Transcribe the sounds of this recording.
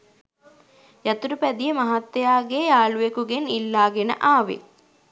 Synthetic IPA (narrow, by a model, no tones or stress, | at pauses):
jat̪uɾupæd̪ijəmaɦat̪ːejaːɡeːaːlujekuɡenilːaːɡenə̰ʔaːʋḛ